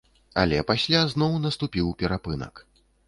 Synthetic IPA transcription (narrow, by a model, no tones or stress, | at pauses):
a̰lʲɛpasʲlʲaznɔwnɐst̪upʲiwpʲɛɾapɨnɐ̰k